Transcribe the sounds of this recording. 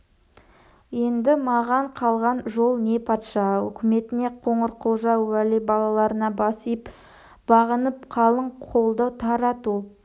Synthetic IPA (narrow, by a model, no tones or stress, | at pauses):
je̞nd̪ɪmɑʁɑɴqʰɑlˠʁɑnʒo̞lˠne̞pʰɑt̪ʃɑɵ̰kʲɪme̞t̪ɪne̞qʰoɴəɾqʰolˠʒɑwælibɑlˠɑlˠɑɾənɑbɑsijp | b̥ɑʁənəp̚qʰɑlˠəɴqʰo̞lˠd̪ət̪ʰɑɾɑt̪u